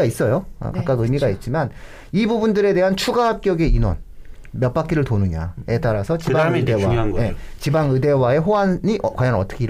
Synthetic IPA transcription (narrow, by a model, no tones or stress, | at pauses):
ais͈ʌjoʌ̰kakk͈aɡɯmiɡait̚t͡ɕ͈iman | ibubundɯɾe̞de̞ɦant͡ɕʰuɡaɦap̚k͈jʌɡe̞inwʌ̰n | mjʌt̚p͈ak͈ʰiɾɯɭtonɯɲa̰e̞t͈aɾasʰʌt͡ɕibaɯdewaajet͡ɕibaŋɯde̞wae̞ɦoanɲiʔkwajʌnʌt͈ʌkʰeiɾ